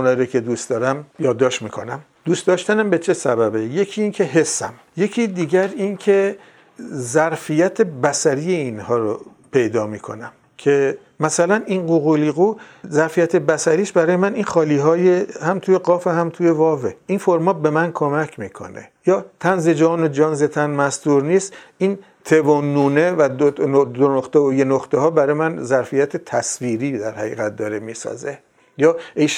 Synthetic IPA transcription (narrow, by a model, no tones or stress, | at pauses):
unhɒːiɾocʰe̞d̪ust̪ɒːɾæmjɒːd̪ːɒːʃt̪miːkʰo̞̰næm | d̪ust̪d̪ɒːʃt̪ænæmbe̞t͡ʃʰe̞sæbæbeje̞cʰiːiːncʰe̞ɦe̞sːæ̰m | je̞cʰiːd̪iːɟæɾincʰe̞ | zæɾfijæt̪ʰebæsæɾijeinhɒːɾo | pʰe̞jd̪ɒːmiːkʰo̞̰næm | cʰe̞ | mæsælæninɢoɣuliɣuzæɾfijæt̪ʰe̞bæsæɾiːʃbæɾɒːje̞mæninxɒːliːɦɒːjehæmt̪ʰuːje̞ɡɒːfehæmt̪ʰuːje̞vɒːveinfoɾmɒːbe̞mænkʰo̞mækʰmiːkʰo̞̰nḛjɒːt̪ʰænze̞d͡ʒɒːnod͡ʒɒːnzet̪ʰænmæsd̪uːɾniːst̪ʔin | t̪ʰe̞vonːuːnevæd̪ood̪onoχt̪eojenoχt̪ehɒːbæɾɒːjemænzæɾfijæt̪ʰet̪ʰæsviːɾiːd̪æɾhæɣḭːɣæt̪̚d̪ɒːɾemiːsɒ̰ze | jɒːeʃ